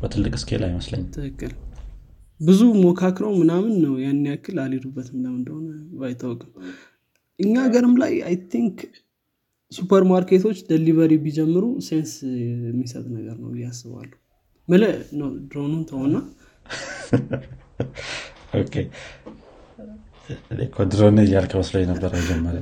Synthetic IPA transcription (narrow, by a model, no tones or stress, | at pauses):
b̥ət̪ʰɨlːɨkʼɨskʰḛlʔa̰jməslə̰ɲːt̪ʰɨkːɨl | bɨzumokʰakɾəwmɨnamɨnːəwjanːiakʰːɨlaled̪ubːət̪mɨnamɨnd̪əhonəbajt̪ʰːəwkʼɨm | ʔɨɲːaɡəɾɨmla̰ja̰jt̪ʰiŋk | supʰəɾmaɾket̪ʰo̞t͡ʃːd̪eliβəɾibid͡ʒɛmːɨɾusensmːisə̰t̪ʼnəɡəɾnə̰wɪjːasːɨβa̰lːuh | mɨlənəwd̪ɾo̞nunt̪ʰəhonːa | okʰe | lekʰod̪ɾonjːalkʰəbəsləjːenəbːəɾəjd͡ʒɛmːəɾə̰m